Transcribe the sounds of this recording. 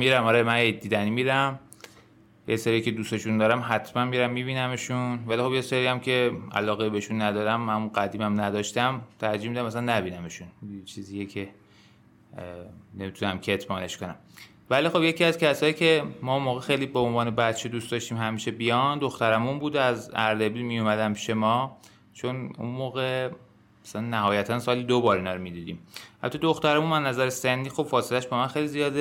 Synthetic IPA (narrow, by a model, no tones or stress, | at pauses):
miɾæmɒɾemæned̪ːiːd̪æniːmiːɾæm | jʔeseɾiːcʰe̞d̪ust̪eʃund̪ɒːɾæmɦæt̪ʰmænmiɾæmːibiːnæmeʃunvælixo̞bjeseɾiæmcʰe̞æ̰lɒːɣebeeʃunːæd̪ɒːd̪æmhæmuɡæd̪iːmæmnæd̪ɒːʃt̪æmt̪ʰæɾd͡ʒihmid̪æmæsænːæbiːnæmeʃunt͡ʃʰiːzijecʰe̞ | ne̞mit̪ʰunæmcʰet̪ʰbɒːne̞ʃkonæ̰m | vælixo̞bjeciæzcʰæsɒːjiːcʰe̞mɒːunmoːɣexejliːbeonvɒːnebæt̪t͡ʃʰed̪ustd̪ɒʃt̪iːmɦæmiːʃe̞bijɒnd̪o̞xt̪æɾæmunbuːd̪eæzæɾd̪ebilmijomæd̪æmpʰi̥ʃemɒː | t͡ʃʰo̞nṵnmoːɣe | æsælænːæhɒːjæt̪ʰænsɒːlid̪obɒːɾinɒɾomid̪id̪ḭːmhæ̰t̪ʰːɒd̪oxt̪æɾæmunæznæzæɾesenːiːxo̞b̥fɒːselæʃbɒːmænxejlizijɒːd̪e